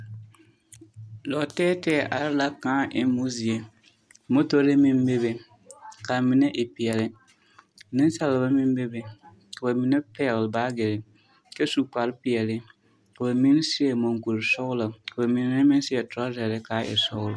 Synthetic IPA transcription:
lɔ˨tɛː˦tɛː˦˨ʔa˨ɾɪ˦la˦kãː˦ʔɪ˦mo˦zi˨e˨ | mo˦to˦ɾɪ˦mɪ˦m˦be˦be˨ | ka˨mɪ˨nɛ˦ʔɪ˨pi˨ɛ˨lɪ˦ | nɪ˦n˦sa˦la˨ba˦mɪ˦m˦be˦be˨ | ka˨ba˨mɪ˨nɛ˦pɛː˦ɣlba˦ɡɪ˨ɾɪ˨ | ke˦su˦k͡pa˨ɾɪ˦pɪ˨ɛ˨lɪ˦ | ka˨ba˨mi˦n˦sɪ˦e˨mo˨ŋku˨ɾsɔ˦ɣla˨ka˨ba˨mi˨n˦nɛ˦mɪ˦n˦sɪ˦e˨tʊ˨ɾa˦zɛ˨ɾɪ˦ka˨˦ʔɪ̰˨sʊ˦ɣla˨

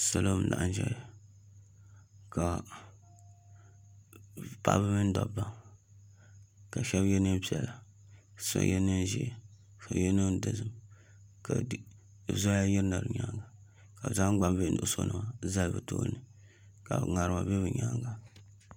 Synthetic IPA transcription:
sa˨lo˦m˦na̰˨ʔn˦ʒɛ̰˦˨ | ka˨ | pa̰˦ʔbɨ˦mɨ˦n˦dɔ˨bba˦ŋ | ka˨ʃɛ˦bjɛ˦nɨ˦pi˦ɛ˨la˨ | so̰˦jɛ˦nɨ˦n˦ʒḭ˦˨ | ka˨jɛ˦nɨ˦n˦dɨ˨zɨ˦m | ka˨˦˨ | zo˦a˦ji˦ɾna˨ɾɨ̰˨ɲa˦ŋɡa˨ | ka˨za˦ɡ͡ba˦m˦be˦˨˦nu˨ʔso̰˦nɨ˦ma˨za˦lbɨ˨to̰˦nɨ˨ | ka̰˨ŋa˨ɾɨ˨ma̰˨bɛ˦βɨ˨ɲa˦ŋɡa˨

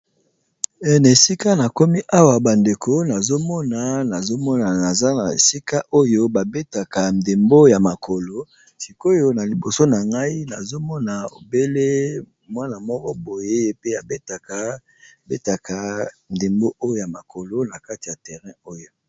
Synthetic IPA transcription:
ɛ˨na˨e˨si˦ka˦na˨ko˦mi˦ʔa˦wa˨ba˨nde˨ko˦na˨zo˦mɔ˦na˨na˨zo˦mɔ˦na˨na˨za˦na˨ḛ˨si˦ka˦ʔo˦jo˦ba˨be˦ta˨ka˨n˨de˨mbo˦ja˨ma˨kʰo˨lo˨ | si˨ko˦jo˦na˨li˨bo˨so˦na˨ŋɡa˦i˦na˨zo˦mɔ˦na˨o̰˨be˦le˦ | mwa˦na˨mɔ˦kɔ˦bo˨je˦je˦pe˦a˨be˦ta˨ka˨ | be˦ta˨kʰa˨n˨de˨mbo˦ʔo˦jo˦ja˨ma˨ko˨lo˦na˨ka˦ti˨ja˨tɛ˨ʁɛ̃˦o˦jo˦

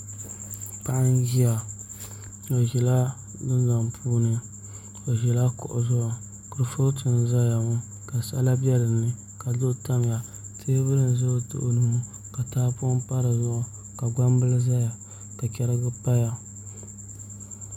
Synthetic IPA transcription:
pa˦ʔa˦nɡi˦a˨ | o˨ʒɛ˨la˦ | dɨ˦nza˨mpʰuː˦nɨ˨ | o˨ʒɛ˨la˦kʊ̰˨ʔʊ˨zʊ˦ʔʊ˨ | kɨ˦ɾɨ˦fo˦tʰɨ˨n˨za˦ja˨mu˦ | ka˨sa̰˦la˦bjɛ˦lɨ˨nɨ˦ | ka˨zo˦ta˦m˨ja˨ | tʰe˦bɨ˦nɨ˨n˨zʊ˦o˨tʊ̰˨ʔo˨nɨ˨mu˦ | ka˨taː˦pʊ˦pa˦ɾɨ˨zʊ˦˨ʔʊ˨ | ka˨ɡa˦m˦bɨ˦lɨ˦za˦ja˨ | ka˨kʲɛ˦ɾɨ˦ɡɨ˦pa˦ja˨

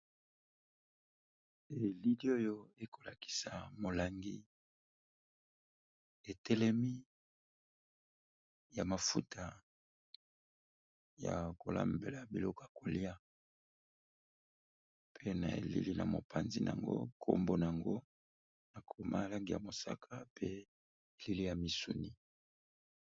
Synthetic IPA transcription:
e˨li˦li˦o˦jo˦e˦kʰo˨la˨ki̥˨sa˨mo˨la˨ŋɡi˦ | e˨tʰɛ˦lɛ˦mi˦ | ja˨ma˨fu˦tʰa˨ | ja̰˨ko˨la̰˦mbe˨la˨bi˨lɔ˦ko˦ja˨ko˨li˦a˦ | pʰe˦na˨ḛ˨lḭ˦li˦na̰˨mo̰˨pʰa˨nzi˦n˨a̰˨ŋɡo̰˦kʰo̰˦mbo˦na˨a˨ŋɡo˦ | na˨kʰo˨ma̰˦˨la˦ŋɡi˨ja̰˨mo˨sa̰˦kʰa˦pe˦ | e˨li˦li˦ja˨mi˨su˨ni˦

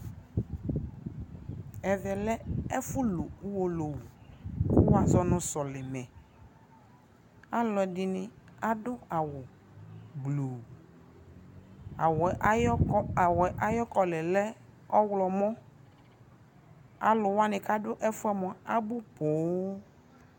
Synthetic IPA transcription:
ɛ˨vɛ˨lɛ˦ɛ˦fʊ˦lo˨˦wo˨lo˨wu˨ku˦wa˨zɔ˨nʊ̃˨sɔ˨lɪ˨mɛ̃˨ | a˦lɔ˨ɛ˨dɪ˨nɪ˨a˨dʊ˦a˨wʊ˨ | blu˨ | a˨w | wɛ˨ʔa˦jɔ˦kɔ˦lɛ˨lɛ˦ | ɔ˦wlɔ˨mɔ̃˦ | a̰˨lʊ˨wa˦nɪ̃˨ka˦dʊ˦ʔɛ˦fʊ˦ɛ˦mɔ̃˨a˦bʊ˦bo˨˦

